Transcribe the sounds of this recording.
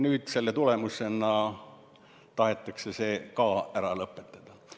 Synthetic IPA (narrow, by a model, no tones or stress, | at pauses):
nyːd̪̥se̞lːet̪ule̞muse̞nɑ | t̪ɑhe̞t̪ːˑɑksese̞ːkɑːæɾɑlɤpːˑet̪ːˑɑd̪̥ɑ